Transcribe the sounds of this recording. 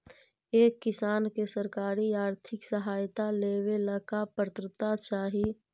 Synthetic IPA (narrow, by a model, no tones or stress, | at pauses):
eːkːɪsaːnkesəɾkaːɾiaːɾt̪ʰɪksəɦaːjt̪aleːweləkapəɾt̪ɾɪt̪at͡ʃaːɦi